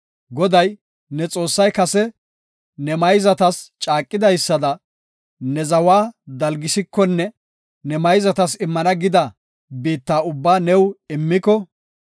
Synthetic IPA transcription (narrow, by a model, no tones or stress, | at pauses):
ɡɔd̪ɐj | nɛt͡sʼo̞ːsːɐjkɐsɛ | nɛmɐjzɐt̪ɐst͡ʃʼaːkʼːɪd̪ɐjsːɐd̪ɐ | nɛzɐwaːd̪ɐlɡɪsɪkːɔnːɛ | nɛmɐjzɐt̪ɐsɪmːɐnɐɡɪd̪ɐ | biːt̪ːaːʊbːaːnɛwɪmːɪkɔ